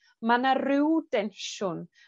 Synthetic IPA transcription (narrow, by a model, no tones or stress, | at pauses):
manarɪwdɛnʃʊn